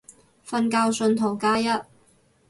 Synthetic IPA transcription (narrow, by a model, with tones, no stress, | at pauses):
fɐ˧nkaː˧wsɵ˧nt̪ʰo˨˩wkaː˥jɐ˥t̚